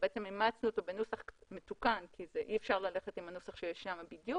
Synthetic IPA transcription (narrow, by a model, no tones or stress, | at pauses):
beʔet͡semimaːt͡snut̪obenusaχmetukankʰizeʔiefʃaʁlale̞χet̪imhanosaχʃejeʃnamabidju